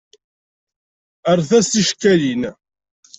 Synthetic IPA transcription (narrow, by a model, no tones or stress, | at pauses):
əɾˤθæsiʃkːælin